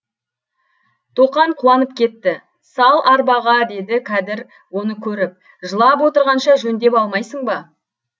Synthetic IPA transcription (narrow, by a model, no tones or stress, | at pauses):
t̪ʰoqɑɴqʰuwɑnəp̚kʲʰe̞t̪ːɪ | sɑlˠʔɑɾbɑʁɑd̪e̞d̪ɪkʲʰæd̪ɪɾ | wo̞nəkʲʰɵɾɪp̚ | ʒəlˠɑp̬wo̞t̪əɾʁɑnʃɑʒɵnd̪e̞pɑlˠmɑjsəɴbɑ